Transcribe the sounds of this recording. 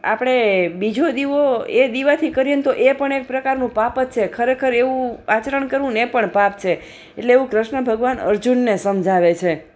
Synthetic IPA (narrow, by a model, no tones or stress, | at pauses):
a̰pɽ̃ebid͡ʒʱod̪iʋoed̪iʋat̪ʰikəɾjent̪oʔepəɳek̚pɾəkaɾnũpapət̪t͡ʃʰekʰəɾekʰəɾeʋũat͡ʃəɾəɳkəɾʋũnepəɳpap̚t͡ʃʰe | eʈleːʋũkɾəʃɳəbʱəɡʋanə̰ɾd͡ʒunːesəmd͡ʒʱaʋet͡ʃʰe